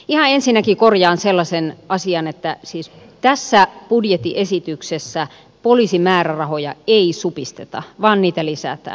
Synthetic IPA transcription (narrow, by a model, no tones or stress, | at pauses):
ihɑensinːækikorjɑːnselːɑsenɑsiɑnet̪ːæsiːs | t̪æsːæpudjet̪ːiʔesit̪yksesːæ | poliːsimæːrærɑhojɑeisupist̪et̪ɑ̰ʋɑːnniːt̪ælisæ̰t̪æ̰ːn